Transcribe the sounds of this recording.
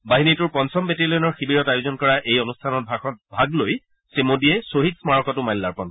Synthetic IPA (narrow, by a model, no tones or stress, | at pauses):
baɦinitʊɹpɔnsɔmbetilenɔɹxibiɹɔtajuzɔnkɔɹaʔejonustʰanɔt̚bʱaxɔt̚bʱaɡloj | semodiɛsoɦitsmaɹɔkɔtʊmajlːaɹpɔn